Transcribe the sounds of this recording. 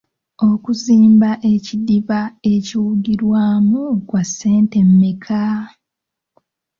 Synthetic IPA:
o̞kuziːmbaʔecidiβae̞ciwuɡiɾwaːmukwasːe̞ːnte̞mːikʰa

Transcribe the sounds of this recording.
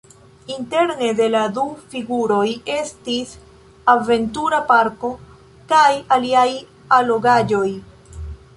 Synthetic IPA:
inte̞ɾne̞de̞ladufiɡuɾo̞je̞stis | ave̞ntuɾapaɾko̞ | kajaliaj | alo̞ɡad͡ʒo̞j

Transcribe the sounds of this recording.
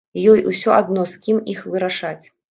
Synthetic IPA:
jɔjʔusʲɔʔad̪nɔskʲimixvɨɾaʂat͡sʲ

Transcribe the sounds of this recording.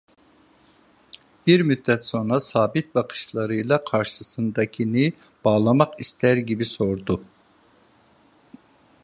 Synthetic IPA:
b̥iɾmyd̪ːɛt̪so̞nɾasaːbit̪̚baqʰɯ̥ʃlˠaɾɯjlˠakʰaɾʃɯsɯnd̪acʰinɯ | b̥aːlˠamaqist̪ʰæɾɟibiso̞ɾd̪u

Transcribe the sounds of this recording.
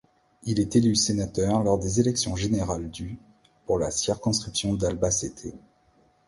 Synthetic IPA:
ilɛt̪elysenat̪œʁlɔʁd̪ezelɛksjɔ̃ʒeneʁald̪y | puʁlasiʁkɔ̃skχipsjɔ̃d̪albaset̪ʰe

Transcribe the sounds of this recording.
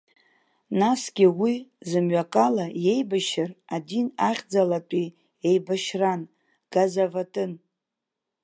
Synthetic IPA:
nasɡʲɪwizɨmɥakʼalaje̞jbaʃɪradinaχʲd͡zalat͡pʷʼi | ejbaʃran | ɡ̥azavatʼɨn

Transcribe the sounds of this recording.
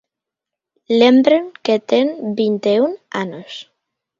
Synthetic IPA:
lembɾeŋket̪eŋbint̪euna̰nos

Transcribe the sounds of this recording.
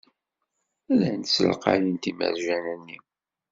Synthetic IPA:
ælːænt̪səlqɑ̰jint̪imə̰ɾʒænænːi

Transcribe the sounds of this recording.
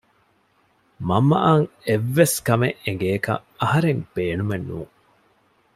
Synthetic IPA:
mɐmːɐʔɐːŋeʋːeskɐmeʔeŋɡeːkɐ̰ɐhɐɾeŋb̥eːnumenːṵːŋ

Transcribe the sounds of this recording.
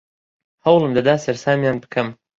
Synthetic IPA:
hɐwlˠɨmd̪ɐd̪aːsɐɾsaːmjaːnbɨ̥kʰɐm

